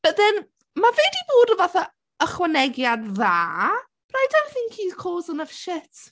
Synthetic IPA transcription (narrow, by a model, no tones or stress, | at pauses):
b̥ədɛn | mavɛːdiboːdəvaθa | əχwanɛɡjadðaː | b̥rajdaθɪŋkʰiːð̥kʰoːzənəvʃɪt